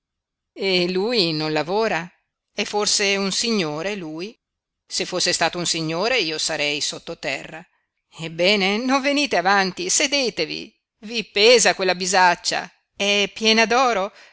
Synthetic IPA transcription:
eluːjnonlavoːɾa | ɛfːorseunsiɲːoːɾeluːj | sefːosːest̪aːt̪ounsiɲːoːɾeiːosaɾɛjsot̪ːot̪ɛrːa | ebːɛːnenoɱveniːt̪eavant̪ised̪eːt̪evḭ | vipeːzakwelːabizat͡ʃːa̰ | ɛpːjɛːnad̪ɔːɾo

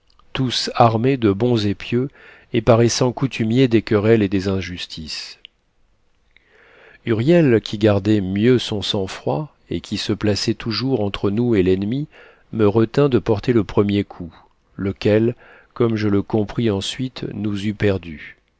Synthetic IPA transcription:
t̪usaʁmed̪əbɔ̃zepjø | epaʁɛsɑ̃kut̪ʰymjed̪ekəʁɛled̪ezɛ̃ʒyst̪ʰis | yʁjɛlkʲʰiɡaʁd̪ɛmjøsɔ̃sɑ̃fχwa | ekʲisəplasɛt̪uʒuʁɑ̃t̪χənuelɛnmi | məʁət̪ɛ̃d̪əpɔʁt̪eləpχəmjekʰu | ləkʲɛl | kɔmʒələkɔ̃pχiɑ̃sɥit̪nuzypɛʁd̪y

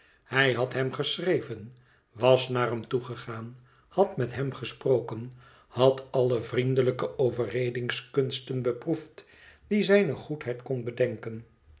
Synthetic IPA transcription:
hɛjɦɑtɦɛmχəsrejvən | ʋɑsnaːrɦɛmtuχəχaːn | hɑtmɛtɦɛmχəsproːkən | hɑtɑlˠəvrindələkəʔowvərejdɪŋskɵnstənbəpruft | d̥izɛjnəχutɦɛjtkɔnbədɛŋkən

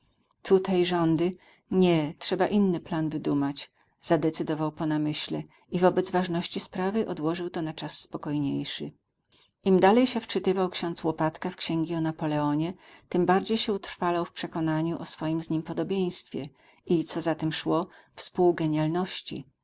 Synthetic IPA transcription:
t̪ʰut̪ajʐɔnd̪ɘ | ɲɛtʂɛbaʔinːɘplanvɘd̪umat͡ɕ | z̥ad̪ɛt̪sɘd̪ɔvawpɔnamɘɕlɛ | ivɔbɛd̪zvaʐnɔɕt͡ɕispɾavɘʔɔd̪wɔʐɘwt̪ɔnat͡ʂasːpɔkɔjɲḛjʂɘ | ʔimd̪alɛjɕɛft͡ʂɘt̪ɘvawkɕɔ̃nt̪swɔpat̪kafkɕɛŋɡʲiɔnapɔlɛɔɲɛt̪ɘmbaɾd͡ʑejɕɛut̪ɾfalawfpʂɛkɔnaɲuʔɔsfɔjimzɲimpɔd̪ɔbʲjej̃st̪fʲjɛ | it̪sɔzat̪ɛmʂwɔfspuwɡɛɲjalnɔɕt͡ɕḭ

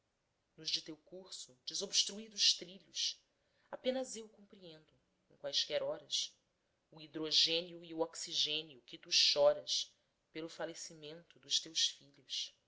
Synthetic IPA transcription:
nʊʒd͡ʒɪt̪ewkuɾsʊd͡ʒɪzobʃt̪ɾuid̪ʊʃt̪ɾiʎʊs | apẽnɐzewkõmpɾiẽnd̪ʊ | ẽŋkwajskɛɾɔɾɐs | uid̪ɾoʒẽnjuiuɔksiʒẽniʊkɪt̪uʃɔɾɐs | pelʊfalesimẽnt̪ʊd̪ʊʃt̪ewsfiʎʊs

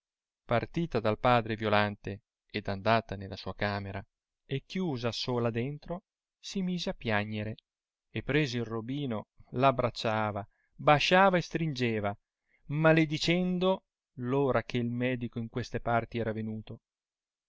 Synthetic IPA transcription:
part̪iːt̪ad̪alpaːd̪ɾevjolant̪e | ed̪and̪aːt̪anelːasuːakaːmeɾa | ekːjuːzasoːlad̪ent̪ɾo | simiːzeapːjaɲːeɾe | epːɾeːzeilrobiːnolabːɾat͡ʃːaːva | baʃaːvaest̪ɾind͡ʒeːva | maled̪it͡ʃɛnd̪o | loːɾak̟eilmɛːd̪ikoiŋkwest̪epart̪iɛːɾavenuːt̪o

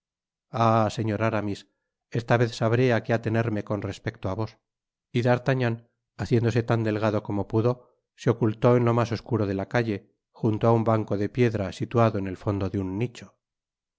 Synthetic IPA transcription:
ase̞ɲo̞ɾaɾamis | e̞st̪aβe̞θsaβɾe̞ake̞at̪e̞ne̞ɾme̞ko̞nre̞spe̞k̚t̪oaβo̞s | iðaɾt̪aɲan | aθje̞nd̪o̞se̞t̪and̪e̞lɣaðo̞ko̞mo̞puðo̞ | seo̞kult̪o̞enlo̞maso̞skuɾo̞ð̞e̞lakaʝe̞ | xunt̪oaumbaŋko̞ðe̞pje̞ðɾasit̪uaðo̞ene̞lfo̞nd̪o̞ðeunːit͡ʃo̞

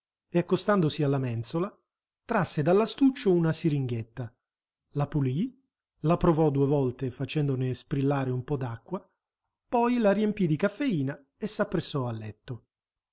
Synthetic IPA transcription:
eakːost̪and̪osialːamɛnsola | t̪ɾasːed̪alːast̪ut͡ʃːounasiɾiŋɡet̪ːa | lapuli | lapɾovɔd̪uevɔlt̪efat͡ʃɛnd̪onespɾilːaːɾeumpɔd̪akːwa | pɔjlaɾiempid̪ikafːeiːna | esːapːɾesːɔalːɛt̪ːo

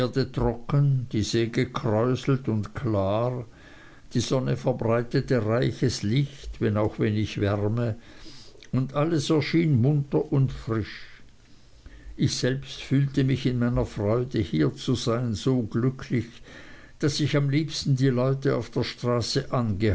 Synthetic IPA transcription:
ɐdətʁ̥ɔkənd̥iːzeːɡəkʰʁ̥ɔʏsl̩tʊntkʰlaːʁ | d̥iːz̥ɔnəfɛɐbʁaɪtətəʁaɪçəslɪçtvɛnaʊxvɛnɪçvɛʁmə | ʊndʔaləsɛɐʃiːnmʊntɐʔʊntfʁɪʃ | ʔɪçz̥ɛlpstfyːltəmɪçɪnmaɪnɐfʁ̥ɔʏdəhiːɐt͡suzaɪnzoːɡlʏkʰlɪç | d̥asɪçamliːpstn̩diːlɔʏtəa̰ʊfd̥eːɐʃtʁ̥aːsəʔanɡə

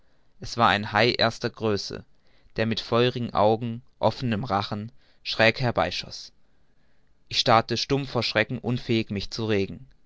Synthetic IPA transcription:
ʔɛsv̥aːɐʔa̰ɪnhaɪʔeːɐstɐɡʁøːsə̰ | d̥eːɐmɪtfɔʏʁɪɡŋ̩ʔa̰ʊɡŋ̩ʔɔfənəmʁaχn̩ | ʃʁ̥ɛːkhɛɐbaɪʃɔ̰s | ʔɪçʃtaɐtəʃtʊmfoːɐʃʁ̥ɛkŋ̩ʔʊnfɛːɪçmɪçt͡suʁeːɡŋ̩

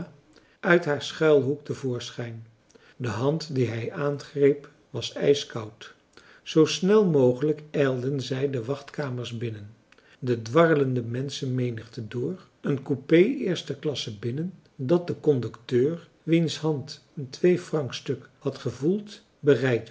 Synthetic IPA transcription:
ʔœɥtɦaːɹsχɛlˠɦuk̚təvʊːɹsχɛjn | dəɦɑntdiɦɛjaːnχrejp | ʋɑsɛ̰jskɑwt | z̥owsnɛlˠmowχələkɛjlˠdənzɛjdəʋɑχtkaːməɹzbɪnən | dədʋɑrləndəmɛnsənmejnəχtədʊːr | ənkupejɪːɹstəklɑsəbɪnən | dɑt̚dəkɔndɵktøːr | ʋinsɦɑnt | əntʋejfrɑŋkstɵkhɑtχəvulˠt | bərɛjk̚t

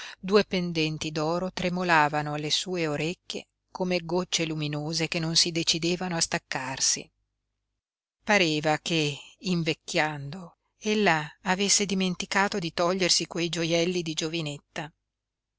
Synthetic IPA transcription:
d̪uːepend̪ɛnt̪id̪ɔːɾot̪ɾemolaːvanoalːesuːeoɾekːḛ | komeɡot͡ʃːeluminoːzekenːonsid̪et͡ʃid̪eːvanoast̪akːarsḭ | paɾeːvakeiɱvekːjand̪o | elːaːvesːed̪iment̪ikaːt̪od̪it̪ɔʎːersikwejd͡ʒojɛlːid̪id͡ʒovinet̪ːa

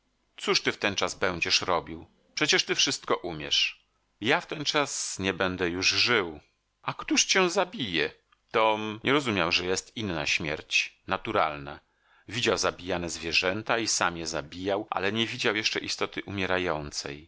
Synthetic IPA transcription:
t̪suʂt̪ɘft̪ɛnt͡ʂazbɛw̃d͡ʑɛʂɾɔbʲiw | pʂɛt͡ɕɛʂt̪ɘfʂɘst̪kɔʔumʲjɛ̰ʂ | jaft̪ɛnt͡ʂasɲɛbɛnd̪ɛjuʐʐɘw | akt̪uʂt͡ɕɛzabʲijɛ | t̪ɔmɲʔɛɾɔzumʲjawʐɛjɛst̪inːa̰ɕmʲjɛ̰ɾt͡ɕnat̪uɾa̰lna̰ | vʲid͡ʑawzabʲijanɛzvʲjɛʐɛnt̪aisamjɛzabʲijawʔa̰lɛɲɛvʲid͡ʑawjɛʂt͡ʂɛʔist̪ɔt̪ɘʔumʲjɛɾajɔnt̪sɛ̰j

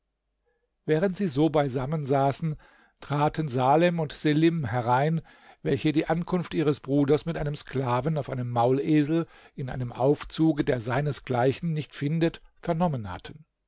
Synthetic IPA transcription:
vɛːʁəntz̥iːzoːbaɪzamənzaːsn̩ | tʁ̥aːtənzaːlɛmʊntz̥elɪmhɦɛʁaɪn | vɛlçədiːʔankʰʊnftʔiːʁəsb̥ʁuːdɐsmɪtʔaɪnəmsklaːvn̩aʊfʔaɪnəmːaʊleːzl̩ | ɪnʔa̰ɪnəmʔa̰ʊft͡suːɡədeːɐzaɪnəsɡ̥laɪçn̩nɪçtfɪndətfɛɐnɔmənha̰tʰən

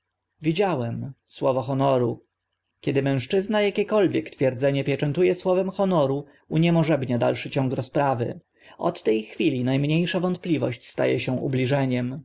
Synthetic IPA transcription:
vʲid͡ʑawɛmswɔvɔxɔnɔɾu | kʲɛd̪ɘmɛ̃w̃ʂt͡ʂɘznajakʲɛkɔlvʲjɛkt̪fʲjɛɾd̪zɛɲɛpʲjɛt͡ʂɛnt̪ujɛswɔvɛmxɔnɔɾu | uɲɛmɔʐɛbɲad̪a̰lʂɘt͡ɕɔ̃ŋkɾɔspɾavɘ̰ | ɔ̰t̪ːɛjxfʲilʲinajmɲejʂavɔnt̪̚plʲivɔɕt͡ɕst̪a̰jɛɕɛ̃ʔṵblʲiʐɛɲɛm

